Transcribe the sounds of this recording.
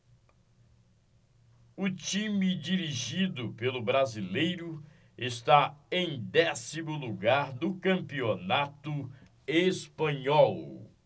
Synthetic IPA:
ʊt͡ʃĩmid͡ʒiɾiʒid̪ʊpelʊbɾazilejɾʊ | est̪aẽj̃d̪ɛsimʊluɡaɾd̪ʊkɐ̃mpionat̪ʊ | espɐ̃ɲɔw

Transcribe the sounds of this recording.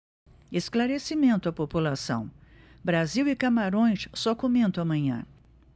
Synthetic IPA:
esklaɾesimẽnt̪ʊɐpopulasɐ̰̃w̃ | bɾaziwɪkamaɾõj̃ssɔkomẽnt̪ʊ̃amɐ̃ɲɐ̰̃

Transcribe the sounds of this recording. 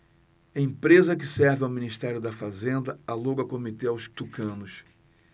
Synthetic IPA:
ẽpɾezɐkɪsɛɾvɪawminiʃt̪ɛɾjʊd̪ɐfazẽnd̪ɐaluɡɐkomit̪eawst̪ukɐ̃nʊs

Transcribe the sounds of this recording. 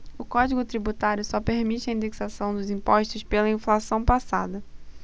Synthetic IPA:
ʊkɔd͡ʒiɡʊt̪ɾibut̪aɾjʊsɔpeɾmit͡ʃɪɐĩnd̪eksasɐ̃w̃d̪ʊzĩpɔʃt̪ʊspelɐĩflasɐ̃w̃pasa̰d̪ɐ

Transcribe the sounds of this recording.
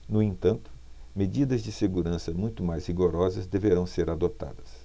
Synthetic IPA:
nʊẽnt̪ɐ̃nt̪ʊ̥ | med͡ʒid̪ɐzd͡ʒɪseɡuɾɐ̃sɐmũj̃t̪ʊmajzhiɡoɾɔzɐzd̪eveɾɐ̃w̃seɾad̪ot̪a̰d̪ɐs

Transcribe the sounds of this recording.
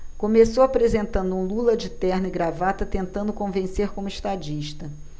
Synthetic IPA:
kõmesowapɾezẽnt̪ɐ̃nd̪ʊũlulɐd͡ʒɪt̪ɛhnɪɡɾavat̪ɐt̪ẽnt̪ɐ̃nd̪ʊkõvẽseɾkõmʊiʃt̪ad͡ʒiʃt̪ɐ

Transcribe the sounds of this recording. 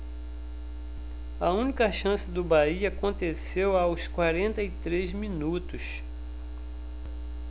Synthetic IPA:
ɐũnikɐʃɐ̃sɪd̪ʊbaiɐakõt̪esewawskwaɾẽnt̪ɐit̪ɾezmĩnut̪ʊs

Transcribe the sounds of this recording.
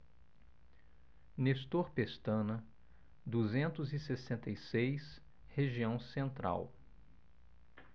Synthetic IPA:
nest̪oɾpest̪ɐ̃nɐ | d̪uzẽnt̪ʊzɪsesẽnt̪ejsejs | heʒiɐ̃w̃sẽnt̪ɾa̰w

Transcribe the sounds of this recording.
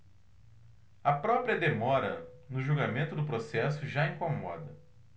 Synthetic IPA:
ɐpɾɔpɾiɐd̪emɔɾɐ̰ | nʊʒuɡamẽnt̪ʊd̪ʊpɾosɛsʊʒaĩkõmɔ̰d̪ɐ

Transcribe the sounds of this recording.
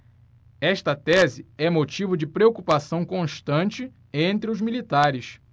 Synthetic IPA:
ɛʃt̪ɐt̪ɛzɪɛmot͡ʃivʊd͡ʒɪpɾeokupasɐ̃w̃kõʃt̪ɐ̃nt͡ʃɪ | ẽnt̪ɾɪʊzmilit̪aɾɪs

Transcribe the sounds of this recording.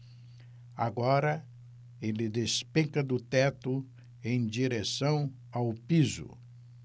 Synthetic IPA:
a̰ɡɔɾɐ | elɪd̪espẽkɐd̪ʊt̪ɛt̪ʊ | ẽj̃d͡ʒiɾesɐ̃w̃ | awpizʊ̰

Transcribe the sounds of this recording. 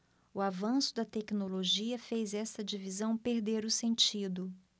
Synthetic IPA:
ʊavɐ̃sʊd̪ɐt̪ɛknoloʒiɐfejzɛst̪ɐd͡ʒivizɐ̃w̃peɾd̪eɾʊsẽnt͡ʃid̪ʊ

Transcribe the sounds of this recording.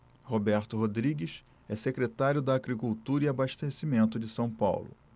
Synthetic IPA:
hobɛɾt̪ʊɦod̪ɾiɡɪʃ | ɛsekɾet̪aɾjʊd̪ɐːɡɾikuwt̪uɾɐiabaʃt̪esimẽnt̪ʊd͡ʒɪsɐ̃w̃pa̰wlʊ̰

